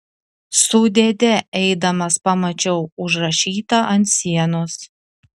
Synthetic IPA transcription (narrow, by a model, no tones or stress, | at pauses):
sʊd̪ʲed̪ʲɛɛɪd̪ɐmɐspɐmɐt͡ʃʲɛʊʊʒɾɐʃʲiːt̪ɐʔɐnt̪sʲiɛnʊs